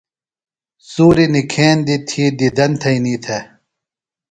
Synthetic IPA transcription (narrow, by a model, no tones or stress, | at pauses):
suːɾinikʰeːnd̪it̪ʰiːd̪id̪ɐnt̪ʰɐiniːt̪ʰe